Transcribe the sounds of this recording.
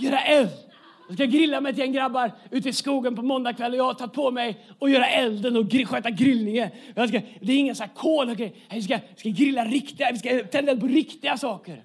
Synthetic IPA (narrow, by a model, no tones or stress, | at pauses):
jœːɾaʔɛl | jɑskajɑɡɾɪlːamɛjt̪ɪɛnɡɾabːaɾʉ̟ːt̪̬əɪskuːɡənpʰɔmɔnd̪akʰvɛlːɔjɑhaʈʰat̪̚ːpʰɔmɛjɔjœːɾaʔɛld̪ənɔɡɾɪɧøːt̪aɡɾɪlnɪŋənfɾs̬kad̪ɛːɾɪŋːənsɔæːkʰoːlɔkʰɛjhɛvɪskavɪskaɡɾɪlːaɾɪkt̪ɪavɪskat̪ʰɛnd̪ɛlpʰɔɾɪkt̪ɪɡasɑːkəɾ